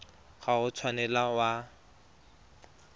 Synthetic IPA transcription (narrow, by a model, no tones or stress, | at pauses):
ɣaʊt͡sʰwanɛlawa